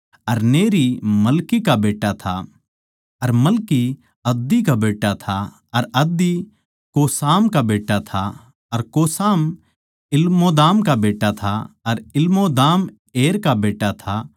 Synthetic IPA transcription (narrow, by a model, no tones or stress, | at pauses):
ɐɾneːɾimɐlkikabeːʈːat̪ʰa | ɐɾmɐlki | ɐd̪ːikabeːʈːat̪ʰa | ɐɾɐd̪i | koːsaːmkabeːʈːat̪ʰa | ɐɾkoːsaːm | ɪlmod̪aːmkabeːʈat̪ʰaɐɾɪlmod̪aːm | eːɾkabeːʈːat̪ʰa